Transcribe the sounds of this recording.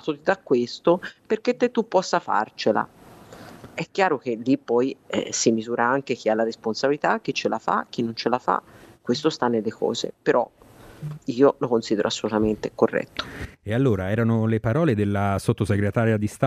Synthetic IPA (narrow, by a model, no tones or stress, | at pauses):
t̪ot̪id̪akːwest̪operket̪ːet̪ːupːɔsːafa̰rt͡ʃela̰ | ɛkːjaːɾok̟elːipːɔjɛ̰simizuːɾʔaaŋkek̟ialːaɾesponsabilit̪ak̟ːit͡ʃːelʔafa̰k̟ːinːont͡ʃelafa̰kːwest̪ost̪anːelːekɔ̰ːzḛpeɾɔ̰ | iːolokonsid̪eɾʔoasːolut̪ament̪ekorːɛ̰t̪ːo̥ealːoːɾaɛːɾanolepaɾɔːled̪elːasot̪ːoseɡɾet̪aːɾjad̪ist̪a